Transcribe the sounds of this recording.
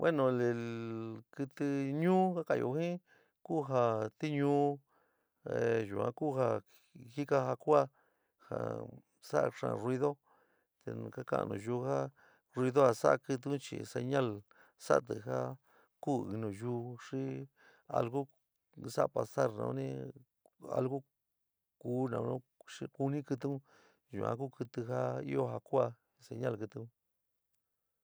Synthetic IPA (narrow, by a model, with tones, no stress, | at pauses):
wʔe˦nõ˨˧le˨ | kɨ˧t̪ɨ˧ɲũː˦ka˦ka˧˨jo˧˨hĩ˦ | ku˦˨ɦa˧t̪i˦ɲũ˦ | e˨ʒu˨ã̰˧ku˦˨ɦa˧ | hi˦ka˦ɦa˧kʷa˦ | ha̰˨ | sa˦ʔʂã̰˧˨rwi˧ðo˦ | t̪ḛ̃˧˨˧ka˦kã̰˧nṵ̃˧˨ʒu˧ha˦ | rwi˧ðo˦ha˧sa˦ʔkɨ˧t̪̬ɨ˧˦ũ˦t͡ʃḭ˧se˧ɲã˦l | sa̰˦ʔt̪ɨ˧ɦa˦ | ku˦i˧nũ˨ʒuː˧˦ʂi˦ | a̰˧lɣu˦ | sa˦˨pa˧sa˦ɾnã̰˧˦nĩ˦˧ | a̰˧lɣu˦ | kuː˧˦nã˨˧õ˦ʂi˧ku˧nĩ˦kɨ˧t̪̬ɨ˦ũ˦ | ʒṵ˧˨ã̰˧ku˦kɨ˧t̪ɨ˧ɦa˦i˦o˦ɦa˧ku˦a˧ | se˧ɲã˦lkɨ˧t̪ɨ˧ũ˦